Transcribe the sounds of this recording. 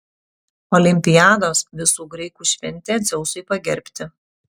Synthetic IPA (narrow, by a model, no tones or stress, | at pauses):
ɔːlʲɪmʲpʲɪjaːd̪oːsʋʲɪsuːɡɾɐɪkuːʃʲʋʲɛnʲˑt̪ʲeːd̪zʲɛʊsʊɪpɐɡʲɛɾʲpʲt̪ʲɪ